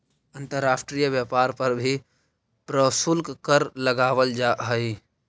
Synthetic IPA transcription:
ə̃nt̪əɾːaːsʈɾijʋjaːpaːɾpɐɾbʱi | pɾəsulkkəɾləɡaːʋəld͡ʒaːɦəi

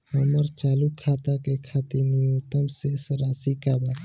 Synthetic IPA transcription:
həməɾt͡ʃalukʰːat̪akekʰat̪iɾnijot̪əmsesəɾasikaba

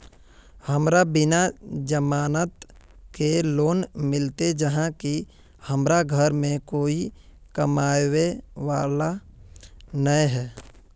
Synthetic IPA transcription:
həmɾabɪnad͡ʒəmaːnət̪ | keloːnmɪlt̪ed͡ʒəɦãki | həmɾaɡʱəɾmẽkoːi | kəmaːweʋaːla | nəjɦɛː

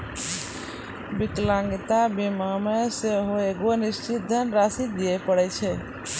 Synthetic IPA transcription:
biklãŋɡit̪abimameseɦoeɡonist͡ʃit̪̚d̪ʱənɾasit̪̚d̪iɛpəɽɛt͡ʃʰɛ

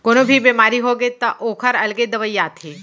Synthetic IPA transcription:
koːnobʱibeːmaːɾiɦoɡet̪ɐʔoːkʰəɾɐlɡed̪ɐʋəjaːt̪ʰeː

